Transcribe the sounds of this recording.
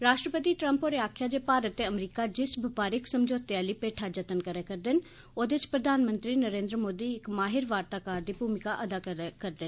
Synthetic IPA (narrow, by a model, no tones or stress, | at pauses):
ɾaːʃʈɾəpət̪iːʈɾəmpoːɾɪaːkʰjaːd͡ʒeːpaːɾət̪ːeːəmɾiːkaːd͡ʒɪsbʱɪpaːɾɪksəmd͡ʒoːt̪eaːliːpeːʈʰaːd͡ʒət̪ənkəɾeːkəɾd̪ɪn | oːd̪et͡ʃpɾəd̪ʱaːnmənt̪ɾiːnəɾẽːnd̪ɾəmoːd̪iːɪkmaːɦɪɾʋaːɾt̪aːkaːɾd̪iːbʱuːmɪkaːʔəd̪aːkəɾd̪ɪ